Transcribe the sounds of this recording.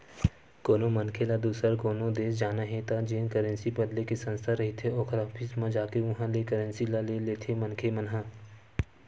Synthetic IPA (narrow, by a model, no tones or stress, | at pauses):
koːnomɐnkʰelad̪uːsəɾkoːnod̪eːsd͡ʒaːnaɦẽt̪ad͡ʒeːnkəɾə̃nsibəd̪lekesɐ̃nst̪ʰaɾɐɦet̪ʰeɔːkʰɾɔːpʰɪsmãd͡ʒaːkeʋɐɦãlekəɾə̃nsilaleleːt̪ʰemɐnkʰemɐnɦãː